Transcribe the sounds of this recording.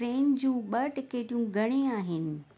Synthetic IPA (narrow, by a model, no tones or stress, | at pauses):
ɾeːnd͡ʑũːɓɐʈɪkeːʈijũɡʱɐɽ̃eaːɦɪnɪ̆